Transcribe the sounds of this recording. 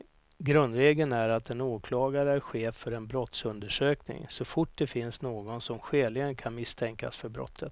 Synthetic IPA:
ɡɾɵnd̪ɾeːɡənæɾat̪ɛnoːkʰlɑːɡaɾəæɾɧeːfːœɾɛnbɾɔt̪sɵnd̪əʂøːknɪ̰ŋsɔfʊʈ̚ːd̪ɛfɪnsnoːɡɔnsɔmɧeːlɪɡənkʰanmɪst̪ʰɛŋka̰sfœɾbɾɔ̰t̪ʰːət̪

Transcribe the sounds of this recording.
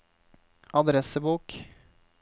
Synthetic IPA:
ɑd̪ɾɛsəbuːk

